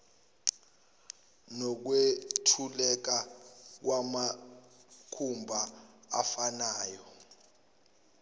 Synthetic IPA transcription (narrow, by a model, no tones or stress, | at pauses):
nɔk̬wetʰulɛk̬ak̬wama | kʰumbʱaa̰fanaːjɔ